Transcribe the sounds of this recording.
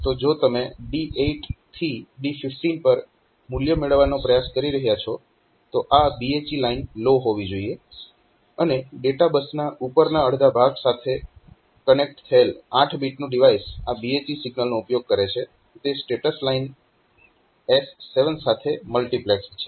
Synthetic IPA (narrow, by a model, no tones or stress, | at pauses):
t̪od͡ʒot̪əmeɖiʔeʈt̪ʰiɖifɪfʈinpəɾ | muljəmeɭəʋːanopɾəjaskəɾiɾəɦjat͡ʃʰɔ | t̪oʔabiet͡ʃilainloɦoʋid͡ʒoie | əneɖeʈabəsnaʔupəɾnaəɽd̪abʱaɡsat̪ʰe | kənek̚ʈt̪ʰəelãʈʰbiʈnũɖiʋaisabiet͡ʃisɪɡnəlnoupjoɡ̚kəɾet͡ʃʰe | t̪esʈeʈəslain | esːeʋənsat̪ʰeməlʈiplɛkst͡ʃʰe